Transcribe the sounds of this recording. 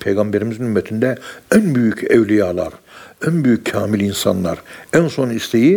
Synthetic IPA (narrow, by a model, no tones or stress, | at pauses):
pʰejɡambeɾimizinymːɛt̪ʰind̪ɛænbyjycʰɛvlʲijaːlˠa̰ɾænbyjycʰːaːmilʲinsa̰nlˠa̰ɾænso̞nist̪ʰeji